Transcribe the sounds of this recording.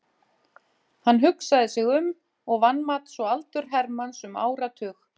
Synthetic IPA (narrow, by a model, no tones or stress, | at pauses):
hanːɦʏksaðɪsɪɣʏm | ɔɣvanmat̪svɔalt̪ʏɾ̥ɦɛɾmansʏma̰ːwɾat̪ʰʏːx